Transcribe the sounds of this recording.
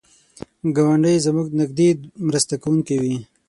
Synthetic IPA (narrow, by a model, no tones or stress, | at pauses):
ɡawaɳɖəjzamuɡnɪɡ̚d̪emɾast̪akawuŋkewi